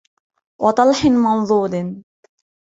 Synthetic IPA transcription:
wʔɑt̪ˤɑlħɪnmɑnðˤuːd̪n

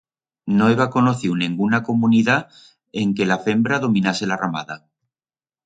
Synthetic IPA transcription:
noeβako̞noθiwnĩŋɡunako̞muniða | eŋkelafe̞mbɾaðo̞minaselarama̰ða

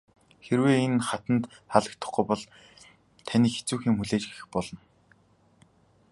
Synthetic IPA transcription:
xeɾweːenχat̪ə̆nt̪ | χaɮə̆kt̪ʰə̆χɡujpɔɮ | t̪ʰaniːxe̥t͡suːxiːŋmuɮeːt͡ɕɡexɘ̆xpɔɮɞ̆n

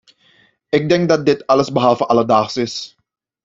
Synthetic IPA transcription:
ɛk̚dɛŋk̚dɑt̚dɪtɑləsbəɦɑlˠfəʔɑlədaːχsɪs

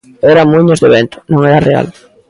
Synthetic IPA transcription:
ɛɾamuɲozðeβent̪ʊ̥nõŋɛɾarea̰l

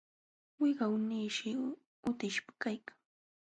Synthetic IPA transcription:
wɪɢɑwniːʃɪ | ʊt̪ɪʃpḁkajkḁŋ

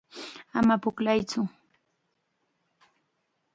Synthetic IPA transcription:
amapʊklajt͡sʊ

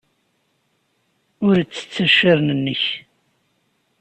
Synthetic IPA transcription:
ʊɾt͡sːə̥t͡sːəʃəɾnənːəç

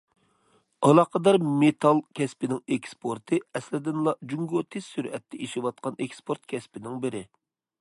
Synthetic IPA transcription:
ɑlˠɑqəd̪ɑɾmet̪ʰɑlˠkʲʰɛspɪnɪŋɛkʲspʰoɾt̪ʰɨɛslɪd̪ɪnlˠɑd͡ʒuŋɡot̪ʰez̥syɾɛt̪ʰːɛʔeʃɪwɑt̪̚qɑnekspʰoɾt̪kʲʰɛspɪnɪŋbɪɾɪ

